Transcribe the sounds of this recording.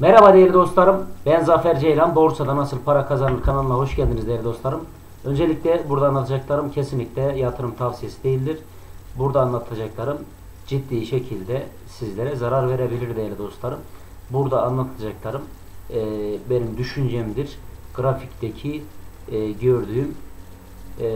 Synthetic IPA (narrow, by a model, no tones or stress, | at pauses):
mɛɾabad̪ejelʲid̪o̞st̪lˠaɾɯmbɛnzafæɾd͡ʒejlʲanbo̞ɾsad̪anasɯlˠpʰaɾakʰazanɯɾkʰanalˠɯnˠaɦo̞ʃɟælʲd̪inizd̪ejelʲid̪o̞slˠaɾɯm | ø̞nd͡ʒe̞lʲic̚lʲɛbuɾd̪aːnlˠat̪ʰad͡ʒaklˠaɾɯmcʰesinlʲicʲlʲɛjat̪ʰɯɾɯmt̪ʰafsijesi̥d̪ejilʲd̪iɾ̥ | buɾd̪aːnlˠat̪ʰad͡ʒaklˠaɾɯm | d͡ʒid̪ːiːʃecʰilʲd̪ɛ | sizlʲeɾɛzaɾaɾve̞ɾebilʲiɾd̪ejɛlʲid̪o̞st̪lˠaɾɯm | buɾd̪aːnlˠat̪ʰad͡ʒaklˠaɾɯmː | benimd̪yʃynd͡ʒɛmd̪iɾɡ̥ɾafict̪ecʰi | ɟøɾd̪yːym